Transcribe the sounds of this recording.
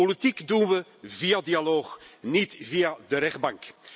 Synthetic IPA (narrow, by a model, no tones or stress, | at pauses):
olitikdunʋəvijadijaloːχnitvijadəɾɛχd̚bɑŋk